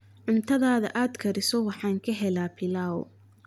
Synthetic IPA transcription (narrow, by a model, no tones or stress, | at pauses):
ʕʊnt̪ʰɐðaːðɐ̰ʔaːd̪kʰɐɾɪsɔwɑħɑːŋkʰɐɦɛlaːpʰɪlaːw